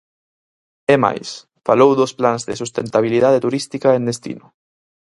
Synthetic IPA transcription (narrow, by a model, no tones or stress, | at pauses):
ɛma̰js | falowðʊsplanzðɪsust̪ent̪aβ̞iliðaðet̪uɾist̪ikaend̪est̪ḭnʊ